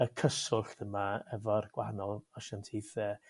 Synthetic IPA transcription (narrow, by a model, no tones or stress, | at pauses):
əkʰəsʊɬðəmaɛvɔrɡ̥wanɔlˠɔʃantʰiːθə